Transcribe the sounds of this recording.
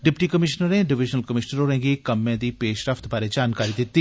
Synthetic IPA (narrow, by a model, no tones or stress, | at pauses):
ɖɪpʈikɐmɪʃnəɾẽɖɪʋɪd͡ʒnəlkɐmɪʃnəɾoɾẽːɡekɐmːẽd̪ipeːʃɾəft̪baːɾed͡ʒaːnkaːɾid̪ɪt̪ːi